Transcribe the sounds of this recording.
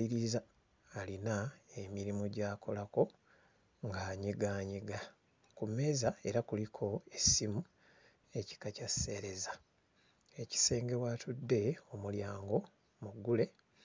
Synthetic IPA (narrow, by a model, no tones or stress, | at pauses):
iɾizaː | linaemiɾimuɟaːko̞lako̞ | ŋɡaːɲiɡaːɲiɡa | kume̞ːzae̞ɾakulikʰo̞e̞simu | e̞ci̥kacasːe̞ːɾe̞za | eci̥se̞ːŋɡe̞waːtʰudːe̞o̞muljaːŋɡo̞ | muɡːule̞